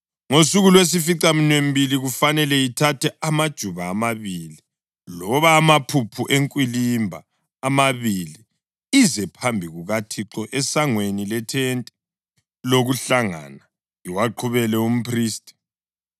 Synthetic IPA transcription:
ŋosuɣulwes̬ifiǀaminwem̩bʱiliɣufanɛlɛitʰatʰɛʔamad̥ʒ̥ʱuβaːmaβili | lɔβaːmapʰupʰuʔeŋkʼwilimbʱa̰ː | maβili | izɛpʰambʱiɣuɣatʰiǁɔʔɛsaŋwenilɛtʰɛntʼɛ̥ | loɣuɬaŋa̰na | iwaǃʰuβɛlɛum̩pʰriːstʼi̥

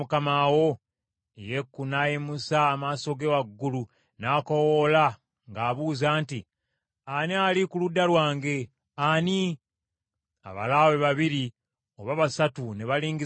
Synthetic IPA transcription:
ukamawo̞ | ejekːunajimusaːmaːso̞ɡewaɡːulu | naːkowola | ŋɡaːβuːzaːnti | anialikuludːalwaːŋɡe̞ | ani | a̰βa̰laweβaβiɾi | oβaβasatune̞βaliːŋɡi

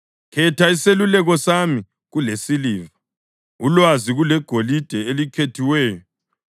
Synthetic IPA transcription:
kʰɛtʰaiselulɛɣɔsami | ɣulesiliːva | ulwaziɣulɛɡ̥ʱolid̥ʱɛelikʰetʰiwɛːjɔ

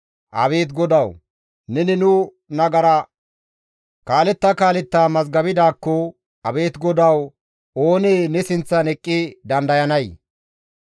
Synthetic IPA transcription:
ʔɐ̰βe̞ːt̪ɡɔd̪ɐw | nɛnɪnʊ | nɐɡɐɾɐ | kaːlɛt̪ːɐkaːlɛt̪ːaːmɐzɡɐbɪd̪aːkːɔ | ɐbe̞ːt̪ɡɔd̪ɐw | o̞ːneːnɛsɪnt͡sːɐnɛkʼːɪd̪ɐnd̪ɐjɐnɐj

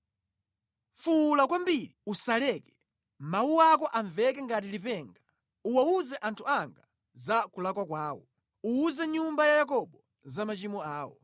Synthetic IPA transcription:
fulakwambiɾiusalɛːkɛ̥ | mawuwak̬ɔʔaɱvɛkɛŋɡat̬ilipɛːŋɡa | uwauzɛʔantʰuaŋɡa | zakulakwakwaːwɔ̰ | uːzɛɲumbajajak̬ɔɓɔ | zamat͡ʃimɔaːwɔ̰

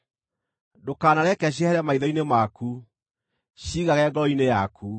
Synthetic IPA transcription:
dokaːnaɾɛkɛɕ̬iɛhɛɾɛmaiðɔinemaku | ɕiːɣaɣɛɡɔɔinejaku

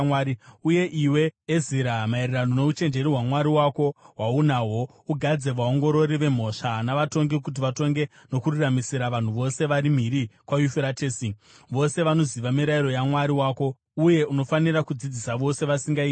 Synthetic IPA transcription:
waɾiuje̞ʔiwe̞ːziɾamairerano̞ne̞ut͡ʃe̞nd͡ʒe̞ɾiɦwamwaɾiwako̞waunaɦo̞ | uɡʱad͡ze̞ʋao̞ŋɡo̞ɾo̞ɾiʋe̞m̤o̞ʂanaʋato̞ŋɡik̬ut̬iʋato̞ŋɡe̞ | no̞kururamisiɾaʋan̤uʋo̞se̞ʋaɾim̤iɾikwajufeɾateːsi | ʋo̞se̞ʋano̞ziʋamiɾaiɾo̞jamwaɾiwaːko̞ | uje̞ʔuno̞fanirakud͡zid͡zisaʋo̞se̞ʋasiŋɡai

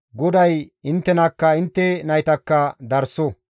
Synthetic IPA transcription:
ɡɔd̪ɐjɪnt̪ːɛnɐkːɐɪnt̪ːɛnɐjt̪ɐkːɐd̪ɐɾsɔ

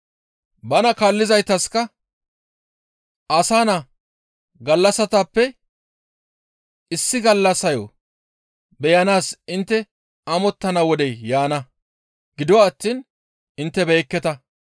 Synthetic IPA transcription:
bɐnɐkaːlːɪzɐjt̪ɐskɐ | ʔɐsaːnɐ | ɡɐlːɐsɐt̪apːɛ | ɪsːɪɡɐlːɐsɐjɔ | bɛjɐnaːsɪnt̪ːɛ | ʔɐmɔt̪ːɐnɐwɔd̪ɛjːaːnɐ | ɡ̥ɪd̪ʊwaːt̪ːiːn | ʔɪnt̪ːɛbeːkːɛt̪ɐ

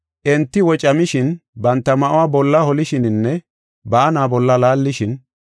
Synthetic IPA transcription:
ʔɛnt̪ːɪwɔt͡ʃʼɐmɪʃɪnbɐnt̪ːɐmɐʔʊwaːbɔlːɐhɔlɪʃɪnɪnːɛ | bɐːnaːbɔlːɐlaːlːɪʃɪn

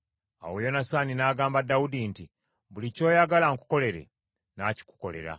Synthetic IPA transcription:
a̰wojo̞nasaːninaːɡaːmbadːawudinti | βulico̞ːjaɡalaŋku̥ko̞le̞ɾe̞̰ | naci̥ku̥ko̞̰le̞̰ɾa̰

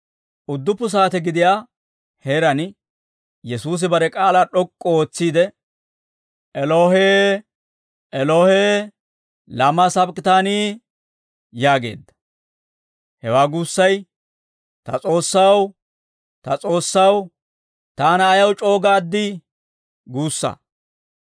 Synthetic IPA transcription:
ʔʊd̪ːʊpːʊs̬aːt̪ɛɡɪd̪ɪjaː | heːɾɐn | jɛsuːs̬ɪbɐɾɛkʼaːlaːɗɔkʼːɔoːt͡sːiːd̪ɛ | ʔɛloːhe | ʔɛloheː | lɐmɐsɐbkɪt̪aːniː | jaːɡe̞̰ːd̪ːɐ̥ | hɛwaːɡuːsːɐj | t̪ɐt͡sʼo̞ːsːɐw | t̪ɐt͡sʼo̞ːsːɐw | t̪aːnɐːjɐwt͡ʃʼo̞ːɡaːd̪ːɪ | ɡuːsːɐ̰

